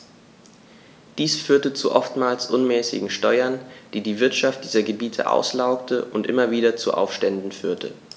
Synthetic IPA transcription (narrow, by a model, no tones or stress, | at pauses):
d̥iːsfyːɐtət͡sṵʔɔftmaːlsʔʊnmɛːsɪ̰ɡŋ̩ʃtɔʏɐnd̥iːdiːvɪɐtʃaft̚d̥iːzɐɡəbiːtʰə̰ʔa̰ʊslaʊktʰəʔʊntʔɪmɐviːɾɐt͡suʔa̰ʊfʃtɛndn̩fyːɐtʰə̰